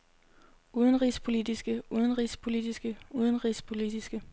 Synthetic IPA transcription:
uːð̞ˠənʁḭːspʰo̝lid̥isɡ̥əuðˠənʁḭːspʰo̝lid̥isɡ̥əuð̞ˠən̩ʁḭːspʰo̝lid̥isɡ̥ə

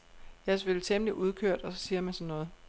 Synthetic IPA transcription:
jæsʋelt͡sʰemliʔuð̞ˠkʰøɐ̰d̥ɒ̽sɒ̽siːɐmænsɒ̽nːɔ̽ːð̩ˠ

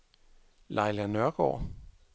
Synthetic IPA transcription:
lʔɑɪlænœɐɡ̥ɒ̰ː

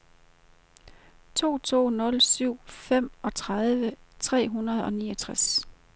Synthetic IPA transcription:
t͡sʰo̝̰ːt͡sʰo̝̰ːnɔ̽lsyʊ̰fem̰ɒ̽t͡sʰʁað̞ˠʋət͡sʰʁɛ̰ːɦunɐð̞ˠɒ̽nḭːɒt͡sʰʁas

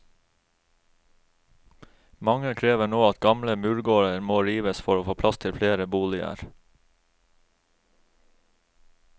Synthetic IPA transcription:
mɑŋəkʰɾeːʋəɳoːɑt̪̚ɡɑmləmʉːɹɡoːɹəɾmoːɾiːʋəsfɔɾoːfoːpʰlɑst̪ʰɪlfleːɾəbuːlɪə̰ɾ

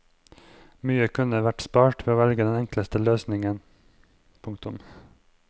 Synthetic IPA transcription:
myːəkʰʉnəʋæʈspɑːʈʋeːoːʋɛlɡəd̪ɛnɛŋkləst̪əløːsnɪŋən | pʰʊŋkt̪ʊm

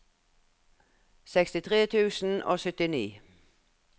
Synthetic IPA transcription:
sɛkst̪ɪt̪ʰʁeːt̪ʰʉːsn̩ʔo̰ːsʏt̪ɪniː

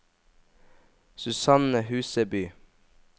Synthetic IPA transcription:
sʉsɑnəhʉːsəbyː

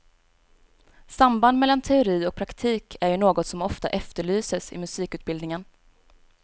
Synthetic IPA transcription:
samband̪mɛlːant̪ʰɛʊɾiːɔk̚pʰɾakt̪ʰiːkʰæɾjɵnoːɡɔt̪sɔmɔft̪a̰ʔɛft̪əɭyːsəsɪ̰mɵsiːkʉ̟ːt̪bɪld̪nɪŋən

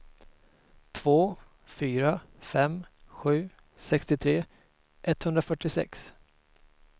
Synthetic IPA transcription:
t̪ʰvoː | fyːɾafɛmɧʉ̟ː | sɛkst̪ɪt̪ʰɾeː | ʔɛt̪hɵnd̪ɾafœʈːɪsɛ̰ks

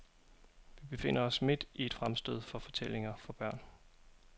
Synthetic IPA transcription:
ʋib̥e̝fe̝n̰ɐɒ̽sme̝d̥ied̥fʁamsd̥øð̰ˠfɒ̽fɒ̽t͡sʰel̰e̝ŋɐfɒ̽b̥ɶɐ̰n

